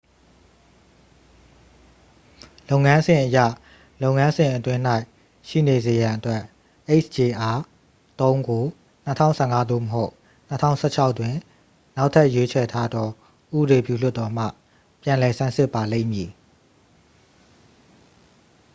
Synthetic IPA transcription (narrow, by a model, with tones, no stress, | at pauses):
lo˦ʊŋã˦nzɪ̃˨ʔəjä̰˦˨ | lo˦˨ʊŋã˦nzɪ̃˨ʔətwɪ̃˦n̥a˦ɪʔ | ʃḭ˦˨ne˨ze˨jã˨ʔətwɛ˦ʔ | ʔe˦ɪt͡ʃʰt͡ɕe˨ʔa˨ | t̪õ˦ʊ̃ŋɡo˨ | n̥ətʰã̰˦ʊ̃sʰɛ˦˨ŋa˦d̪o̰˦˨məɦo˦ʊʔ | n̥ə˦tʰã̰˦˨ʊ̃sʰɛ˦˨t͡ɕʰa˦ʊtwɪ̃˨ | na˦ʊʔtʰɛ˦ʔjwe˦t͡ɕʰɛ˨tʰa˦d̪ɔ˦ | ʔṵ˦˨bə˨ɾe˨pjṵ˦˨l̥ʊ˦t̪ːɔ˨m̥ä̰˦˨ | pjã˨lɛ˨sã˦˨sɪ˦pːa˨lḛ̃˦˨ɪ̃˨mji˨